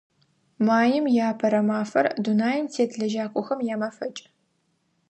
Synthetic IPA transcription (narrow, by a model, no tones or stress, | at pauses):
maːjɪmjaːpʰɐɾɐmaːfɐ̰rdunaːjɪntʰeːtɮɐʒaːkʷʼʊxɐmjaːmɐfɐt͡ʃʼ